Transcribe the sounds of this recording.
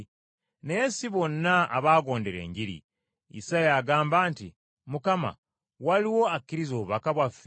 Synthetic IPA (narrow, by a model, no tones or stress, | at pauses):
nesiβo̞nːaa̰βaːɡo̞ːndeɾe̞̰ːɲɟiɾḭ | ḭsajaːɡaːmbaːnti | mukama̰ | waliwo̞akːiɾizoːβuβakaβwafːe